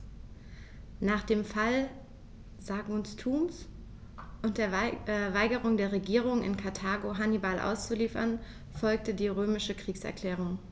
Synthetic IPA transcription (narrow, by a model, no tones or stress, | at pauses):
naːχd̥eːmfal | zaɡʊnstʰuːms | ʔʊntd̥eːɐvaɪɡəʁ̞ʊŋdeːɐʁ̞eɡiːʁʊŋɪ̰nkʰaɐtʰaːɡoɦanibalʔa̰ʊst͡suliːfɐ̰n | fɔlk̚tədiːʁøːmɪʃəkʁ̥iːksɛ̰ɐkl̥ɛːʁ̞ʊŋ